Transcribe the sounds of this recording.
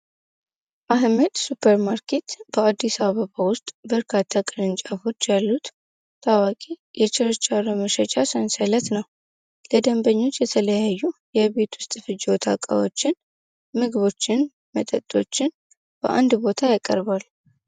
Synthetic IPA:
ʔaɦməd̪supʰəɾmaɾkʰe̞t̪bəad̪ːisaβəβawʊst̪ʼbəɾkʰat̪ʰːakʼɨnɨnt͡ʃʼafo̞t͡ʃːjalːut̪ | t̪ʰawakʼijɛt͡ʃʼɪɾɨt͡ʃʼːaɾoməʃət͡ʃʼasənsələt̪nəw | ləd̪əmbəɲːo̞t͡ʃːjɛt̪ʰələjajːujɛβe̞t̪wʊ̥st̪ʼfɨd͡ʒwɔt̪ʰa̰kʼa̰wot͡ʃːɪn | mɨɡɨβo̞t͡ʃːɪn | mət̪ʼət̪ʼːo̞̰t͡ʃːɪn | b̥ə̰ʔa̰nd̪bo̞t̪ʰajakʼə̰ɾbal

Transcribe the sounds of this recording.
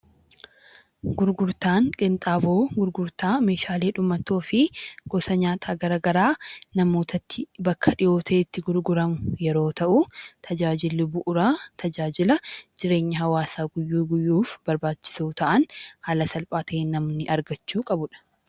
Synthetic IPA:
ɡʊɾɡʊɾt̪aːŋkʼɪnt̪ʼaːboːɡʊɾɡʊɾt̪aːme̞ːʃaːle̞ːᶑʊmːɐt̪o̞ːfɪɡ̥ɔsɐɲaːt̪ʰaːɡɐɾaɡɐɾaːnɐmo̞ːt̪ʰɐt̪ːɪbɐkʰːɐᶑɪjo̞ːt̪ʰeːɪt̪ːɪɡʊɾɡʊɾɐmʊjɛɾo̞ːt̪ɐʔʊt̪ʰɐd͡ʒaːd͡ʒɪlːɪbʊʔʊɾat̪ʰɐd͡ʒaːd͡ʒɪlɐd͡ʒɪɾe̞ːɲːɐɦɐwaːsaːɡʊjːuːɡʊjːuːfb̥ɐɾbaːt͡ʃːɪ̥suːt̪ɐʔɐnhɐlɐsɐlpʼaːt̪ʰɐeːnɐmnɪʔɐɾɡɐt͡ʃːuːkʼɐbʊᶑɐ̥

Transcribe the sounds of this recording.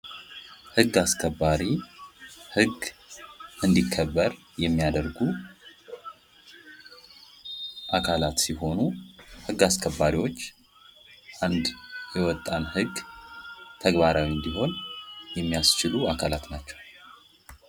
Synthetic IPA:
hɨɡːaskʰəbːaɾi | hɨɡ | ɨnd̪ikʰːəbːəɾ | jɛmːijad̪əɾɡu | ʔakʰalat̪siɦo̞nuhɨɡːaskʰəbːaɾiwo̞t͡ʃː | ʔand̪jɛwɔt̪ʼːanhɨɡ | t̪ʰəɡbaɾawiɨnd̪iɦo̞njɛmːijast͡ʃɪluakʰalat̪nat͡ʃːɛ̥w

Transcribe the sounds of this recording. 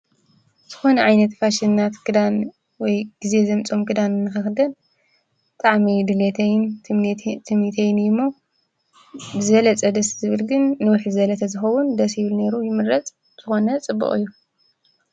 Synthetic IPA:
z̥ɨxo̞nɐʕajnɐt̪faʃinːat̪kɨd̪an | wɔjɡ̥ize̞zɐmt͡sʼo̞mkʰɨd̪anɨnːɨxɐxd̪ɐn | bɨt̪ʼaʕmid̪ɨlet̪ʰɐjn | t̪ʰɨmnit̪ʰɐjnjɪmːo | bɨzɐlɐt͡sʼɐd̪ɐszɨβɨlɡɨnːɨwʊħzɐlɐt̪ʰɐzɨxɐwund̪ɐsjɪβɨlne̞ɾujɪmɨɾɾɐt͡sʼ | z̥ɨxo̞nɐt͡sʼɨbːṵχʼɨ̰jːu

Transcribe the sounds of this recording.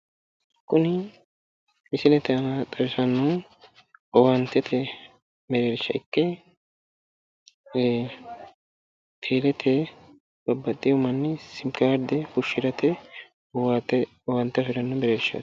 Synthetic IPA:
kʊnɪ | ɪsɪnɛt̪ɛɐnat̪ʼːɐɾɪsɐnːu | ɔwɐnt̪ɛt̪ʰɛ | mɛɾeːɾʃːɐɪkːɛ | t̪ʰeːlɛt̪ʰɛ | b̥ɐbːɐt̪ʼːɪʊmɐnːɪsɪmkaːɾd̪ɛhʊʃɪɾɐt̪ʰɛ | ɔwaːt̪ːɛ | ɔwɐnt̪ːɐsɪɾɐnːʊmɛɾeːɾʃɐ̰

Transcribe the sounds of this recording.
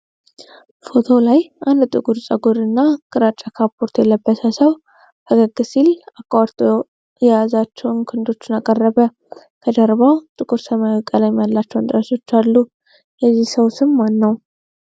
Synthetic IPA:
fo̞t̪ʰo̞lajʔand̪t̪ʼɨkʼuɾt͡ʃʼəɡoɾɨnːakʰʼɨɾat͡ʃʼːakʰapʰoɾt̪ʰjɛlːəbːəsʰəsəw | kʰəɡəɡːɨsilakːwaɾt̪ʰʼo | jɛjazat͡ʃːɛwnkʰɨnd̪o̞t͡ʃːɪnakʼərːəβə | kʰəd̪əɾβat̪ʼɨkʼuɾsəmakʼalajmjalːat͡ʃːɛwnt̪ʼɾəso̞t͡ʃːalːu | jɛzːihsəwsɨmmanːəw

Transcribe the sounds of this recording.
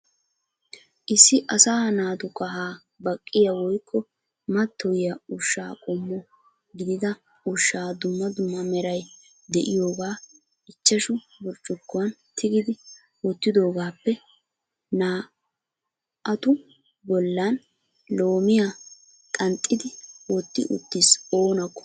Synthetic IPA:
ʔɪsːɪʔɐsaːnaːt̪ʊkʼɐɦaː | bɐkʼːɪjɐwɔjkʰːɔ | mɐt̪ːɔwɪjɐʊʃːa̰ːkʼɔmːɔ | ɡɪd̪ɪd̪ɐ | ʊʃːaːd̪ʊmːɐd̪ʊmːɐmɛɾɐj | d̪ɛʔɪjo̞ːɡaː | ɪt͡ʃːɐʃʊ | bʊɾt͡ʃʼːʊkːʊwɐnt̪ʰɪɡɪd̪ɪ | wɔt̪ːɪd̪o̞ːɡaːpːɛ | naː | ɐt̪ʊ | bɔlːan | lo̞ːmɪja | kʼɐnt̪ʼːɪd̪ɪwɔt̪ːɪ̰ʔʊ̰t̪ːɪso̞ːnɐkːɔ̥

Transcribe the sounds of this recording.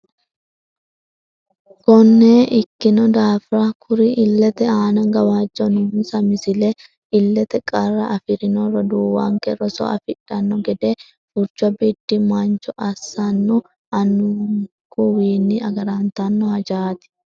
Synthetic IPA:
kɔnːeːʔɪkːɪnɔd̪aːfɾakʰʊɾɪʔɪlːɛt̪ɛaːnɐɡɐwaːd͡ʒːɔnʊmsɐmɪsɪle | ɪlːɛt̪ɛkʼɐrːɐʔɐfɪɾɪnɔɾɔd̪uːwa̰ːŋkɛɾɔsɔ̰ɐ̰fɪᶑːɐnːɔɡɛd̪eː | fʊɾt͡ʃːʊɐbid̪ːɪmant͡ʃɔʔɐsːanːɔ | ɐnːʊ | kuwiːnːɪɐɡɐɾaːnt̪ɐnːɔhɐd͡ʒaːt̪ɪ̥

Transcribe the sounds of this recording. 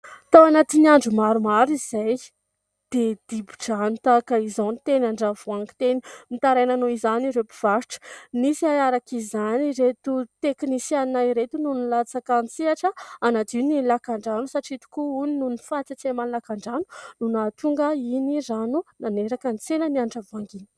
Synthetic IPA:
t̪awanat̪iniaɳɖ͡ʐumaɾumaɾizaj | d̪̥ed̪̥ibuʈ͡ʂant̪akaizanit̪enaɳɖ͡ʐavuaŋki̥t̪enimit̪aɾajnanuizaniɾepiv̥aɾʈ͡ʂə̥nisiaaɾakizaniɾet̪ut̪eknisjannaiɾet̪ununilat͡sakant͡siaʈ͡ʂəanad̪inilakaɳɖ͡ʐanusaʈ͡ʂit̪u̥kuuninunifat͡sat͡semanlakaɳɖ͡ʐanu̥nunat̪uŋɡəinizanunaneɾakənt͡senəniaɳɖ͡ʐavaŋɡinə̥

